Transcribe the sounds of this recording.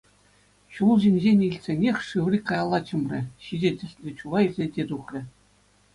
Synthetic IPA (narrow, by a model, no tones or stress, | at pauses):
ɕulˠʑemʲʑenʲilʲtʲsʲenʲexʲʂɯʋrʲikɑjɑlˠːɑt͡ɕɤ̆mrʲɘ̆ɕiʑʲĕtʲɘ̆sʲsʲlʲĕt͡ɕulˠɑilʲzʲĕdʲet̪uχrʲɘ̆